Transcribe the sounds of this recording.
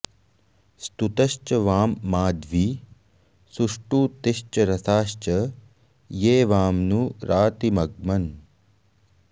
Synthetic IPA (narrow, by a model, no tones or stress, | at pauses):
st̪ut̪ɐʃt͡ʃɐʋaːmːaːd̪ʋi | suʂʈuːt̪ɪʃt͡ʃɐɾɐsaːʃt͡ʃɐ | jeːʋaːmnuɾaːt̪imɐɡ̚mɐn